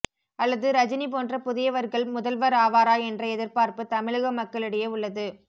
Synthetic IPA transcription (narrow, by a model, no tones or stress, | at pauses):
ɐlːɐðɯɾɐd͡ʒɪnip̬oːndrɐpʊðɪjɐʋɐɾɣɐɭmʊðɐlʋɐɾaːʋaːɾaːɛndrɐɛðɪɾpaːɾpɯt̪ɐmɪɻɯɣɐmɐkːɐɭɪɽɐjeʊɭːɐðɯ